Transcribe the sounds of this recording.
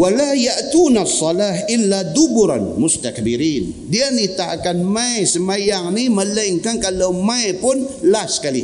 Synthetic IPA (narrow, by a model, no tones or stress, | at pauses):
walajaʔt̪uːnasˤːɑlaːhʔɪlːad̪ʊbʊɾa̰nmʊst̪ak̚biɾiːndianit̪aakanmaesəmajaŋnimələŋkankalawmaepʊnlasə̥kalḭ